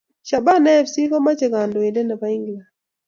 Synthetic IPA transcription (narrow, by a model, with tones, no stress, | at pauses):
ʃa˨ba˦nɛ˦˨fsi˦kɔ˦ma˦t͡ʃɛ˨ka˨ndɔ˨i˨dɛ˦na˨pa˨˦i˦ŋɡi˨la˨